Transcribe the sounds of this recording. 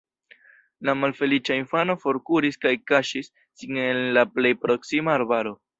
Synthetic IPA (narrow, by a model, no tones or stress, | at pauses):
lamalfe̞lit͡ʃainfano̞fo̞ɾkuɾiskajkaʃisːiŋenlaple̞jpɾo̞ksimaːɾbaɾo̞